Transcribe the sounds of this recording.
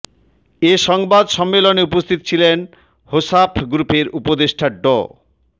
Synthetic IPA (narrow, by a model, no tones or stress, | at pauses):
eʃɔŋbad̪ʃɔmːeloneupost̪ʰit̪o̥t͡ɕʰilen | hosapʰɡɾupeɾupod̪eʃʈʰaɖo̰